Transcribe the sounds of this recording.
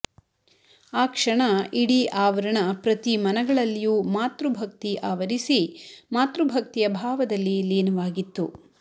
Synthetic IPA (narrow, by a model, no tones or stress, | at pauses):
aːkʂɐɳɐiɽiʔaːʋɐɾɐɳɐpɾɐt̪imɐnɐɡɐɭɐlːijuːmaːt̪ɾubʱɐk̚t̪iʔaːʋɐɾisimaːt̪ɾubʱɐk̚t̪ijɐbʱaːʋɐd̪ɐlːileːnɐʋaːɡit̪ːu